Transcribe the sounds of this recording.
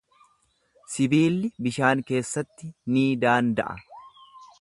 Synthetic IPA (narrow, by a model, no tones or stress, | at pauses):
sɪbiːlːɪbɪʃaːŋke̞ːsːɐt̪ːɪniːd̪aːnd̪ɐ̰ʔɐ̰